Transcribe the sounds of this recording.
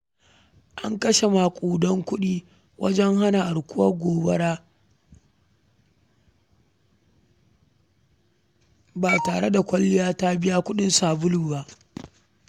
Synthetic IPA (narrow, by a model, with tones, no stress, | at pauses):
ʔa̰˦ŋkɐ˦ʃe˨ma˨kʷʼuː˨dɔ˦ŋkʷʊ˦ɗiː˦ | wʔɐ̰˦d͡ʒɛ˦ŋha˦na˨ʔa˨ɽkʷʊ˦wɐ˦ɡʷoː˨bɐ˦ɽaː˦ | baː˨taː˨ɽe˦da˨kʷɐ˦lːɪ˦jaː˦ta˦bɪ˦ja˦kʷʊ˦ɗɪ˦nsaː˨bʊ˦luː˨ba˦ʔ